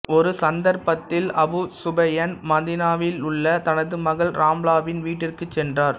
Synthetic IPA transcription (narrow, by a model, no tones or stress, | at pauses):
ɔɾɯsɐnd̪ɐɾpɐt̪ːɪlɐbʊsʊbɐjɐnmɐðɪnaːʋɪlʊɭːɐt̪ɐnɐðɯmɐɣɐlɾaːmlaːʋɪnʋiːʈːɪrkɯt͡ʃːɛndraːɾ